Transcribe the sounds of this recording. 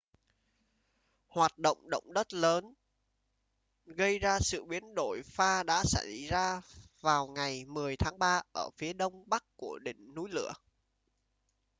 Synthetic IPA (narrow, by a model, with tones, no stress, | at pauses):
hwaː˨˩t̚ɗo̰˧˨wŋ͡mɗo̰˧˨wŋ͡mɗə˦˥t̚ləː˨˦n | ɣə˧jzaː˧sɨ̰˧˨ɓi˨˦ənɗo˧˩jfaː˧ɗa̰ː˧˥sa˧˩jzaː˧vaː˨˩wŋa˨˩jmɨ˨˩əjt̪ʰaː˨˦ŋɓaː˧ʔəː˧˩fi˨˦əɗə˧wŋ͡mɓa˦˥kkːu˧˩əɗï˧˩˨ŋ̟nu˨˦jlɨ̰˧˨ə